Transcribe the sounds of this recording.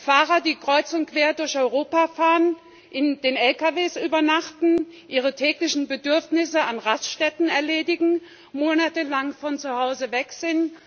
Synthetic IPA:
faːʁɐdiːkʁ̥ɔʏt͡sʊntkv̥eːɐdʊɐçɔʏʁoːpafaːʁən | ʔɪndeːnɛlkaveːsʔyːbɐnaχtn̩ʔiːʁ̞ətʰɛːklɪçn̩bədʏɐfnɪsəanʁasʃtɛtn̩ɛɐleːdɪɡŋ̩ | moːnatəlaŋfɔnt͡suhaʊzəvɛkz̥ɪnt

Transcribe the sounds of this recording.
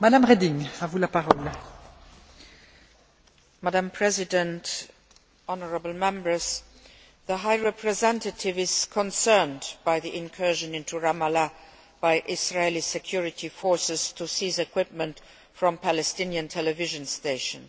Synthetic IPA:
mad̪amʁed̪iŋavulapaʁɔl | madãmpʰɹɛzɪdə̃nt | ʔɔnəɹəbl̩mɛ̃mbə˞z̥ | ðəɦaɪɹɛpʰɹɛzɛ̃ntətʰɪvɪz̥kʰɔ̃nsɜ˞ndb̥aɪðiʔɪ̃nkʰɜ˞ʒə̃nɪ̃ntuɹamala | b̥aɪʔɪsɹalisɛkʰj̥uɹɪtʰifɔɹsɪztʰusiːzɛkʰw̥ɪp̚mə̃nt | fɹɔ̃mpʰælɛstɪnjə̃ntʰɛlɛvɪʒə̃nsteɪʃə̃n

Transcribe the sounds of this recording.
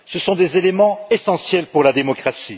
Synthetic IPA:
səsɔ̃d̪ezelemɑ̃esɑ̃sjɛlpuʁlad̪emɔkχasi

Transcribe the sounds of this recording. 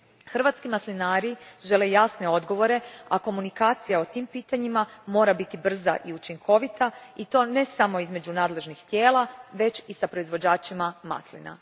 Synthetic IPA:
xr̩ʋat̪skimaslinaːɾiʒe̞le̞jasne̞o̞d̪ɡo̞ʋo̞ɾe̞ako̞munikaːt̪sijao̞t̪iːmpiːt̪aɲimamo̞ːɾabit̪ibr̩za̰ʔiut͡ʃiŋkʰo̞ʋit̪ait̪o̞ːne̞samo̞izme̞d͡ʑunaːd̪le̞ʒnixt̪je̞ːlˠaʋe̞t͡ʃisapɾo̞izʋo̞d͡ʑaːt͡ʃimama̰slḭna̰

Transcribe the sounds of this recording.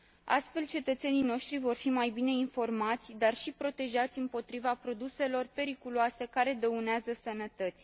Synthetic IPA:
a̰st̪fe̞lt͡ʃe̞t̪ət̪se̞nijno̞ʃt̪ɾivo̞rfimajbine̞info̞rmat̪sʲd̪arʃipɾo̞t̪e̞ʒat̪sʲɨmpo̞t̪ɾivapɾo̞d̪use̞lo̞rpe̞ɾikuluase̞kaɾe̞d̪əuneazəsənət̪ət̪sʲ

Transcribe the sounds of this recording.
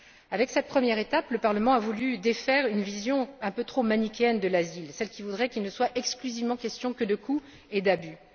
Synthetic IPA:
avɛksɛt̪̚pχəmjɛʁet̪apləpaʁləmɑ̃avulyd̪efɛʁynvizjɔ̃ɛ̃pøt̪χomanikʲɛnd̪əlazilsɛlkʲivud̪ʁɛkʲilnəswaʔɛksklyzivmɑ̃kɛst̪jɔ̃kəd̪əkʰu | ed̪aby

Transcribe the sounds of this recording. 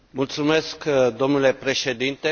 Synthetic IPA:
mult̪sume̞skd̪o̞mnule̞pɾe̞ʃe̞d̪int̪e

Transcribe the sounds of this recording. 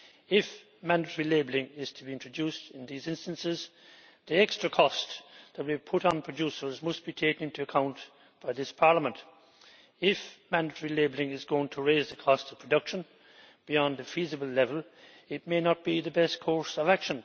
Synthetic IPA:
ɪf | mæ̃ndəɾʰəɹileɪblɪ̃ŋɪz̥tʰəbiɪ̃ntɹ̥ɨdustɪ̃nðizɪ̃nstə̃nsɪz | ðiɛkstɹ̥əkʰɔsðət̚wipʰʊɾn̩pʰɹ̥ɨd͡ʒusə˞zmʌstb̥itʰeɪkə̃nɪ̃ntuəkʰãʊ̃n | b̥aɪðɪspʰɑɹləmə̃nt | ɪfmæ̃ndətʰəɹileɪbl̩ɪ̃ŋɪzɡoʊɪ̃ŋtʰəɹeɪzðɨkʰɔstsʌv̥pʰɹ̥ədʌkʃə̃n | b̥iɑ̃nðɨfizɨbəl̩ˠlɛvəl̩ˠ | ɪt̚meɪnət̚b̥iðəbɛst̚kʰɔɹsʌvækʃə̃n

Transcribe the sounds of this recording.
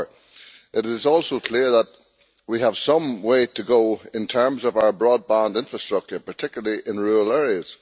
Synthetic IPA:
ʔɪɾɪzɔˑlˠsokʰl̥ɪɹðət̚ | wiəv̥sʌ̃mweɪtʰəɡoʊɪ̃ntʰɜ̃˞mzəvaʊə˞bɹɔːd̚bãndɪ̃nfɹəstɹ̥ʌk̚t͡ʃə˞pʰə˞tʰɪkjl̩ˠəlˠiʔɪ̃nɹuəlˠɛɹiəz̥

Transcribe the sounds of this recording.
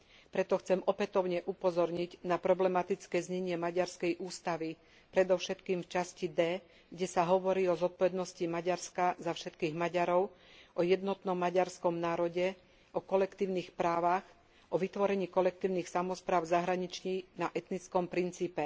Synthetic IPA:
pɾɛt̪ɔxt͡sɛmɔpɛt̪ɔʊɲɛʔupɔzɔɾɲiɟnapɾɔblɛmat̪it͡skɛːzɲɛɲɪɛmaɟaɾskɛjʔuːst̪aʋi | pɾɛd̪ɔʊʃɛt̪kiːmft͡ʃascid̪ɛː | ɡɟɛsaɦɔʋɔɾiːɔzɔt̪̚pɔʋɛd̪nɔscimaɟaɾskazafʃɛt̪kiːɣmaɟaɾɔʊʔɔjɛd̪nɔt̪nɔmːaɟaɾskɔmnaːɾɔɟɛ | ʔɔkɔlɛkt̪iːʊniːxpɾaːʋax | ʔɔʋit̪ʋɔɾɛɲiːkɔlɛk̚t̪iːʊnixsamɔspɾaːʊzaɦɾaɲit͡ʃɲinaʔɛt̪nit͡skɔmpɾint͡siːpɛ

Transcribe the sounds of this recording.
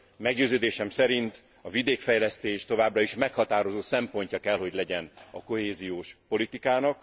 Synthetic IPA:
mɛɡɟøːzøːd̪eːʃɛmsɛɾint̪ | ɒvid̪eːkfɛjlɛst̪eːʃt̪o̞vaːbrɒiʃmɛkhɒt̪aːɾo̞zoːsɛmpo̞ɲcɒkɛlho̞ɟlɛɟɛnɒko̞ɦeːzijoːʃpo̞lit̪ikaːnɒk

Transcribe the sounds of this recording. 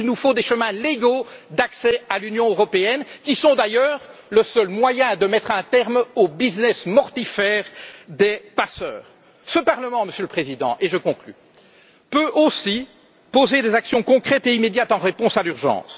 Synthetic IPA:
ilnufod̪eʃəmɛ̃leɡod̪aksɛalynjɔ̃øʁɔpeɛnkʲisɔ̃d̪ajœːʁləsœlmwajɛ̃d̪əmɛt̪χɛ̃t̪ɛʁmobiznɛsmɔʁt̪ifɛːʁd̪epasœːʁ | səpaʁləmɑ̃məsjøləpχezid̪ɑ̰̃ʔeʒəkɔ̃kly̰ | pøʔosi | pozed̪ezaksjɔ̃kɔ̃kχɛt̪eimed̪jat̪ɑ̃ʁepɔ̃salyʁʒɑ̰̃ːs

